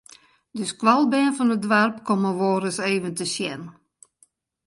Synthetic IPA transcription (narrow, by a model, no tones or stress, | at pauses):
døskʋalˠbɛənfɔnədʋarpkoməʋoːɾəseːʋəntəsjɛn